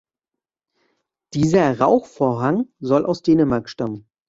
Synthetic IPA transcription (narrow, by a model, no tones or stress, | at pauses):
d̥iːzɐʁaʊxfoːɐɦaŋzɔlʔa̰ʊsd̥eːnəmaɐkʃtamən